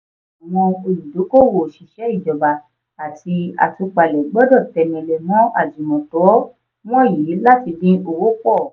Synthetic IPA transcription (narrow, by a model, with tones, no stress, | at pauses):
a˨w̃ɔ̃˧o˧lu˨do˨˦ko˦˨wo˨ʃi˨ʃɛ˨˦i˦˨d͡ʒɔ˨ba˨ | a˨ti˧a̰˨tu˧k͡pa˨lɛ˨˦ɡ͡bɔ˦dɔ˦˨tɛ˧nĩ˧le˧mɔ̃˦a̰˦˨d͡ʒi˨mɔ̃˨tɔ˨˦ | w̃ɔ̃˦ji˨˦la˦ti˧dĩ˦o˧wo˦k͡pɔ˦˨